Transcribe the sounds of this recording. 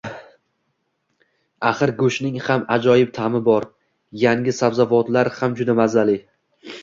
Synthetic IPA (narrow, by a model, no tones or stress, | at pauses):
aχɨɾɡɵʃnɪŋhamad͡ʒɒjɪp̚t̪ʰamɪbɒɾ | jaŋʲɪsabzavɒt̪laɾhamd͡ʒʊd̪amazalɪ